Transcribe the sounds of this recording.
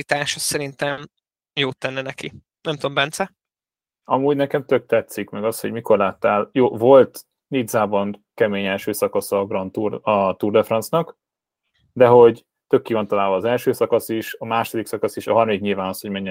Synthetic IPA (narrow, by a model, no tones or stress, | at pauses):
it̪aːʃɒssɛɾint̪ɛm | joːt̪ːɛnːɛnɛki | nɛmt̪ombɛnt̪sɛ | ɒmuːɟnɛkɛmt̪øk̚t̪ɛt̪sikmɛɡɒshoɟmiko̞rlaːt̪ːaːljoːvo̞lt̪ | nid̪zaːbɒnkɛmeːɲɛlʃøːsɒkɒsɒɡrɒnt̪urɒt̪uːrd̪ɛfrɒnt̪snɒk | d̪ɛɦo̞ɟ | t̪økːiːvɒnt̪ɒlaːlvɒːzɛlʃøːsɒkɒsiʃɒmaːʃod̪iksɒkɒsiʃɒɦɒrmɒdikɲilvaːnɒsho̞ɟmɛɲːɛ